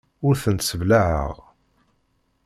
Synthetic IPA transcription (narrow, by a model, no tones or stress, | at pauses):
ʊɾθənt̪səvlaʕə̰ʁ